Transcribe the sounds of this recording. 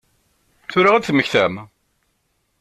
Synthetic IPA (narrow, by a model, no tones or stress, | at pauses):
θʊɾaʁæθməçθæm